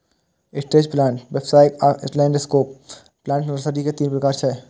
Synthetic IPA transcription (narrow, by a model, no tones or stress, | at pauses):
ɪsʈeːd͡ʒplãːɳʈʋepsaːɪkaslɛːɳɖeskoːp | plãːɳʈɾsaːʈiket̪iːnpɾɐkaːɾt͡ʃʰɛ